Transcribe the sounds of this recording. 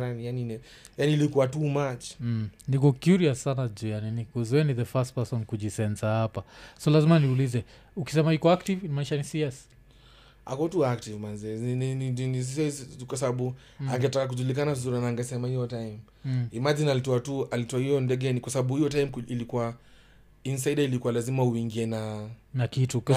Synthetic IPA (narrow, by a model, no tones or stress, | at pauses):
ɾanijaninɛ | janiːlikuatumat͡ʃ̩nikɔkjuɾiassanazujaninikuzuɛniðəfast̚pasɔnkuʄisɛnsahapasɔlazimaniulizɛ | uki̥sɛmaikɔaktivnimaiʃanisiɛs | a̰kɔtuak̚tivmanzɛɛninininis̬iskwasabaɓu | aŋɡɛtakak̬uʄulik̬anavizuɾinaːŋɡɛsɛmahijɔtajm | imad͡ʒinalitɔatualitɔahijɔndɛɡɛnikwasabaɓuhijɔtajmkilikua | ins̬aidailikuwalazimauiŋɡiɛnanakitu